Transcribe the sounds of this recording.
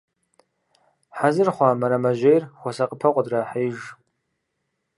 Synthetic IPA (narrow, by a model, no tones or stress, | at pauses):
ħazɨrχʷamaɾamaʒʷejrxʷasaqʼəpʰɐqʷʼadraħajʒ